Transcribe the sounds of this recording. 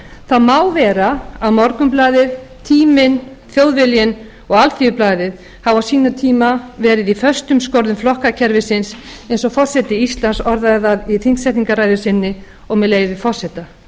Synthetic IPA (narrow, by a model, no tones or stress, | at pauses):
θaðmaːwvɛːɾaawmɔɾkʏmplaːðɪð | t̪ʰiːmɪn | θjowðvɪljɪn | ɔɣalθiʏplaːjðɪð | havawsiːnat̪ʰiːmavɛːɾɪðifœst̪ʏmskowɾðʏmflɔhkacʰɛɾvɪsɪnsejnsɔfɔr̥sɛt̪ɪist̪lansɔɾðaðaðiθinŋksɛjht̪niŋkaɾaːjðʏsɪnːɪ | ɔɣmɛlejvɪvɪfɔr̥sɛt̪a